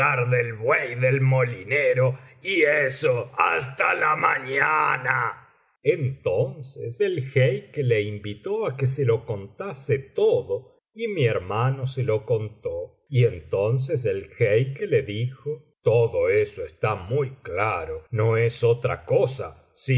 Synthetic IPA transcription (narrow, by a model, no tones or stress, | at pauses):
aɾðelβwejðelmolineɾoiesoas̬t̪alamaɲana | ent̪onseselxejkele̞imbit̪oakes̬elo̞kont̪aset̪oðo | imieɾmanoseloko̞nt̪o | ient̪o̞ns̬es̬elxejkeleðixo | t̪oðoesoest̪amujklaɾonoesot̪ɾa̰kosa̰ | si